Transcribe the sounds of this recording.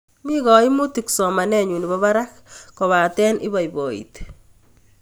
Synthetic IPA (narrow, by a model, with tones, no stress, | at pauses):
mi˦ɣɔ˨i˦mu˦ti˨ksɔ˨ma˨nɛ˦ɲu˨ni˨bɔ˦βa˦ɾa˦kkɔ˨βa˨tɛ˦nɪ̰˦ba˨jbo˨ḭt̪